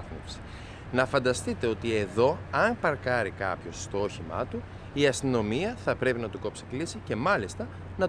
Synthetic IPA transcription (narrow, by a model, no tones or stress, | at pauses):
fmofsi̥ | nɐfɐnd̪ɐst̪it̪e̞o̞t̪ie̞ðo̞ɐnpɐɾkɐɾikɐ̰pço̞sːt̪ooçimɐ̰t̪u | iɐst̪ino̞miɐθɐpɾe̞pinɐt̪uko̞psi̥klisice̞mɐlist̪ɐ | nɐ